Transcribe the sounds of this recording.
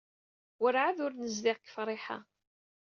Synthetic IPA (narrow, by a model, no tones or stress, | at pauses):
wəɾʕaðʊɾnəzðɪʁkːə̥fɾˤɪħa̰